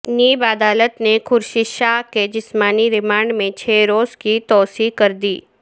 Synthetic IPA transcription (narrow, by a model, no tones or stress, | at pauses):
niːbaːd̪aːlət̪nekʰʊɾʃɪʃaked͡ʒɪsmaːniɾɪmãːɳɖmẽt͡ʃʰeːɾoːzkit̪ɔːsikɐɾd̪iː